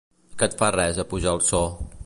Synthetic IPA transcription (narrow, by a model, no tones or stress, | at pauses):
kət̪farɛzəpuʒalˠsɔ